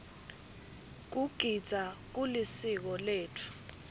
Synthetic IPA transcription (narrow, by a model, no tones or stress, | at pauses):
k̬uɡ̥ʱid̥z̥ʱak̬ulisik̬ɔleːtʰu̥